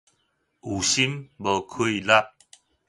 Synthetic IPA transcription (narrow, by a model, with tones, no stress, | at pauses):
ʔu˨˩si˦mbə˨˩kʰi˧˩˨la˦˨p̚